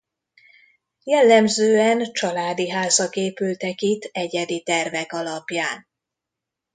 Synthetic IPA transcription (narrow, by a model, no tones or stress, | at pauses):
jɛlːɛmzøːɛnt͡ʃɒlaːd̪iɦaːzɒkeːpylt̪ɛkit̪ʰːɛɟɛd̪it̪ɛrvɛkɒlɒpjaːn